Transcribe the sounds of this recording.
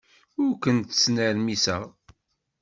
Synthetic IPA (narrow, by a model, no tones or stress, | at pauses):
ʊɾkənt̪ə̥snəɾmisə̰ʁ